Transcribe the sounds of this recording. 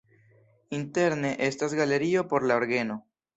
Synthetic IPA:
inte̞ɾne̞ʔe̞stasɡale̞ɾio̞po̞ɾlaoɾɡe̞no̞

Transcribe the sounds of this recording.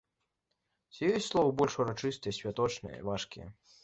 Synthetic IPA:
sʲijusʲslˠɔvɐbɔlʲʂuɾat͡ʂɨst̪ɨjɛsʲvʲat̪ɔt͡ʂnɨ̰jɛ̰vaʂkʲḭjɛ̰

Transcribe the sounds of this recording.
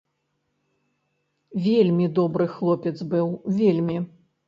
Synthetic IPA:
vʲelʲmʲid̪ɔbɾɨxlˠɔpʲɛt̪zbɨwvʲelʲmʲi

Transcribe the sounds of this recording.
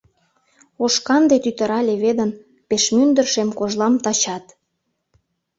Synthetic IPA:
oʃkɑnd̪et̪yt̪ə̆ɾɑlʲeβed̪ən | peʃmynd̪ərʃemkoʒlɑmt̪ɑt͡ɕɑt̪

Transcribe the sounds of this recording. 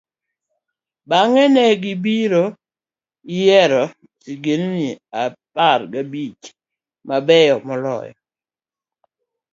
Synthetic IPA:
baŋɛnɛɡɪbiɾo | ijɛɾɔ | siɡenniapaɾɡabit͡ʃ | mabɛjɔmɔlɔ̰jɔ̰

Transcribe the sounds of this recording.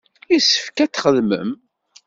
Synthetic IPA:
jisəfkæt͡sːχəðmə̰m

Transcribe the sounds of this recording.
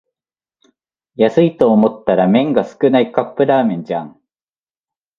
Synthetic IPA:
jasɨit̪oːmo̞t̪ːaɾamẽ̞ŋɡasɨ̥kɯ̟naikapːɯ̟ɾaːmẽ̞ɲd͡ʑã̰ŋ

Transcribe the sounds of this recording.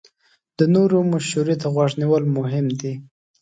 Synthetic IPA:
d̪̥ənoɾomʊʃuɾet̪aɣwaʐniwəlmʊɦɪmd̪i

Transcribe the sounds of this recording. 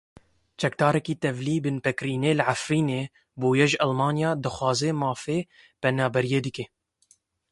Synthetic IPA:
t͡ʃɛkd̪ɑːɾɛkiːt̪ɛvliːbɨnpɛkɾiːneːlʕafɾiːneː | boːjɛʒʔælmɑːnjɑːd̪ɨxwɑːzɛmɑːfeː | pɛnɑːbɛɾijeːd̪ɨke

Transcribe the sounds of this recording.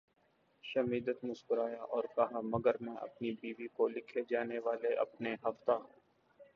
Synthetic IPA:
ʃɐmiːd̪ət̪mʊskʊɾaːjaʔɔːɾkɐɦamɐɡəɾmɛ̃ʔɐ̰pnibiːʋikolɪkʰed͡ʒaːneʋaːleʔɐ̰pneɦɐft̪aːɦ

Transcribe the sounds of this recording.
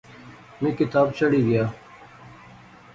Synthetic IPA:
mĩːkɪt̪aːbt͡ʃəɽiːɡəjaː

